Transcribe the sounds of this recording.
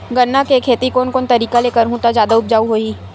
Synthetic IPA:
ɡəɾnːakekʰeːt̪ikoːnkoːnt̪ɐɾiːkaleːkəɾɦũt̪ad͡ʒjaːd̪aʊp̚d͡ʒaːuɦoːiː

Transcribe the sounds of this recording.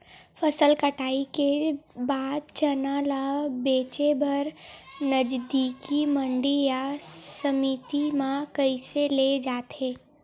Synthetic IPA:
fʰəsəlkəʈʰaːikebaːd̪̚t͡ʃənaːlabeːt͡ʃebʱɐɾnəd͡ʒd̪iːkimə̃ɳɖijasəmit̪imãkəiseled͡ʒaːt̪eː

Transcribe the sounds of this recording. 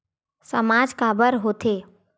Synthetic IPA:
səmaːd͡ʒkaːbəɾɦoːt̪ʰeː

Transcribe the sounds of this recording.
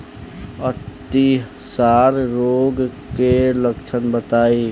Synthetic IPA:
ət̪i | saɾɾoːɡ | keləkt͡ʃʰənbət̪aːi

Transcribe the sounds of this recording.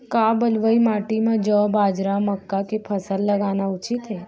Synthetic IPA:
kabəlʋəimaʈimãd͡ʒɔbaːd͡ʒɾaməkːakepʰəsəlːəɡanaʊt͡ʃit̪ɦe

